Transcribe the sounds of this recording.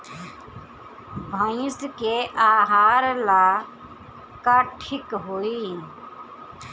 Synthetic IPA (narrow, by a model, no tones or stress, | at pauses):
bʱãːjɪst̪keʔaːɦaːɾlaː | kaːʈʰɪkɦoːiː